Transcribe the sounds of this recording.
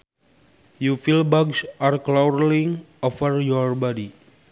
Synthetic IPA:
jufilbaɡsarklawɾliŋ | ɔfərjɔrbɔdi

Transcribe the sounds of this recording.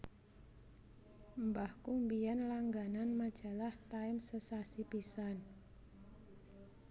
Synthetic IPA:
mbahkumbianlaŋɡananmad̥ʒ̥a̤laht̪aɪmsəsasipisan

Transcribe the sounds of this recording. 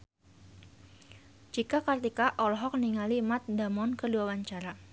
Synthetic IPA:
d͡ʒikakərt̪ikaʔɔlɔɦɔk̚niŋalimat̪̚damɔnkəduawaɲt͡ʃaɾa

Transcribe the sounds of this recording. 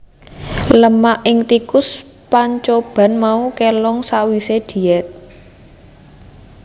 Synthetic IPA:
ləmaʔɪŋt̪ikʊs | paɲt͡ʃob̥a̤nmaukelɔŋsaʔwised̪̥i̤ɛt̪̚

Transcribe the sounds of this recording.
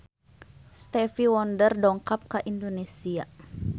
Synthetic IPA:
st̪ɛfiwɔndərdɔŋkap̚kaʔindonesia

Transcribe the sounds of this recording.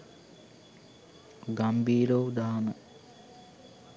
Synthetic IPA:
ɡambiːɾowd̪aːnə

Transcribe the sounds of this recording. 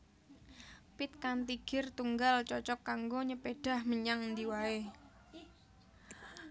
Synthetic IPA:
pɪt̪̚kant̪iɡ̥ɪrt̪uŋɡalt͡ʃɔt͡ʃɔkːaŋɡoɲəpeɖ̥a̤hməɲaŋnd̪iwae

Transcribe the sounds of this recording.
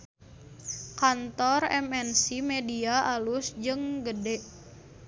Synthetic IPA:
kant̪ɔrɛ̰mɛnsimediaʔalusd͡ʒɨŋɡədɛʔ

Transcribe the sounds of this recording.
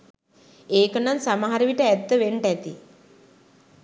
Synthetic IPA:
eːkənansamaɦaɾəʋiʈəæt̪ːəʋeɳʈæt̪ḭ

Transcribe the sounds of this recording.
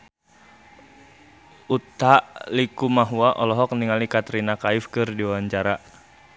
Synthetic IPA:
ut̪aʔlikumaɦuaʔɔlɔɦɔk̚niŋalikat̪ɾinakaifkɨrdiwaaɲt͡ʃaɾa

